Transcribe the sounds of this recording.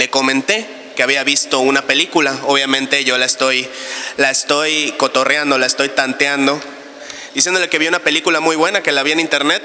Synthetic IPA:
le̞ko̞mẽ̞nt̪e̞ | ke̞aβ̞iaβist̪o̞unape̞likulao̞β̞jamẽnt̪e̞ʝo̞laest̪o̞jlaest̪o̞jko̞t̪o̞rjand̪olaest̪o̞jt̪ant̪eand̪o̞ | d̪̥isjend̪ole̞ke̞βjounape̞likulamujβwe̞nake̞laβienint̪e̞ɾne̞t̪̚

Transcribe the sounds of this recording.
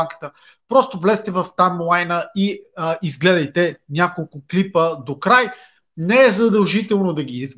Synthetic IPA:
ŋkə̥t̪ə | pɾɔst̪ovlɛst̪ɛvɐft̪amlˠajnəiizɡlɛd̪ɐjt̪ɛnʲakolˠkʊklipəd̪okɾaj | nɛɛzɐd̪ɐlˠʒit̪ɛlˠnod̪ɐɡʲiz

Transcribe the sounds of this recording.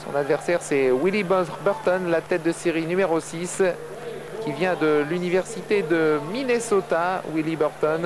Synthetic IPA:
sɔ̰̃nad̪vɛʁsɛʁsɛwilibbœʁt̪ɔnlat̪ɛt̪̚d̪əseʁinymeʁosis | kʲivjɛ̃d̪əlynivɛʁsit̪ed̪əminesɔt̪awilibœʁt̪ɔn

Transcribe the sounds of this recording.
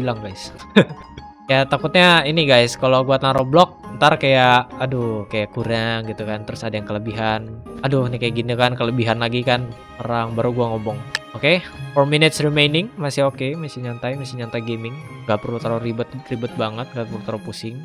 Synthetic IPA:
bilaŋɡajs | jat̪akʊt̪̚ɲainiɡajskaloɡuat̪aɾoblɔk̚ənt̪arkajaʔadukajakuɾaŋɡit̪ukant̪əɾʊsadajaŋkələbiɦanaduhnikajaɡinikankələbiɦanlaɡikan | pəɾaŋbaɾuɡuaŋɔmbɔŋokepɾominɪt̪srimejnɪŋmasɪhokemasiɲant̪ajmasiɲant̪ajɡemɪŋ | ŋɡapəɾut̪aɾoɾibət̪̚ribət̪̚baŋət̪̚ŋɡapəɾut̪aɾapusɪŋ

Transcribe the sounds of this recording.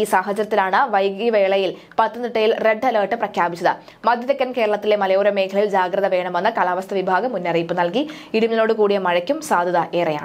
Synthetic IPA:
iːsaːɦɐt͡ɕɐɾɐt̪ːinaːɳɨʋɐjɡiʋe̞ːɭɐjil | pɐt̪ːɐnd̪ɨʈːɐjilre̞ɖːɐlɐːʈːɨprɐkʰjaːbit͡ɕːɐðɨ | mɐd̪ʱjɐðɐkʲːɐnke̞ːɾɐɭɐt̪ːile̞mɐlɐjoːɾɐme̞ːkʰɐɭɐild͡ʑaːɡɾɐðɐʋe̞ːɳɐmenːɨkɐlaːʋɐst̪ʰɐʋibʱaːɡɐmːunːɐriːpːɨnɐlki | iɽumɲɐlo̞ːɽɨkuːɽijɐmɐɻɐkʲːumsaːd̪ʱɐðɐʔe̞ːrɐja̰ːɳ

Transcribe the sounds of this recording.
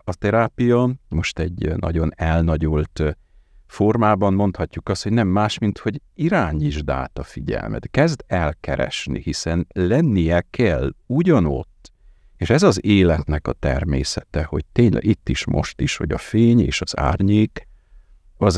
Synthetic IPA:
ɒt̪ɛɾaːpijɒmo̞ʃt̪ɛɟnʔɒ̰ɟo̞nɛlnɒɟolt̪ | fo̞rmaːbɒmːo̞nt̪hɒcːukɒst̪hoɟnɛmːaːʃmint̪ho̞ɟ | iɾaːɲiʒd̪a̰ːt̪ɒfiɟɛ̰lmɛ̰t̪kɛzd̪ɛlkɛɾɛ̰ʃnḭhisɛnlɛnːijɛkʰɛluɟɒno̞̰t̪ː | eːʃɛzɒzeːlɛt̪nɛkɒt̪ɛ̰rmḛːsɛt̪ɛho̞̰ɟ̚t̪eːɲlʔɛ̰ɡit̪ːiʃmo̞̰ʃt̪iʃʋɒ̰ɟɒ̰feːɲeːʃɒza̰ːrɲeːk | ɒz

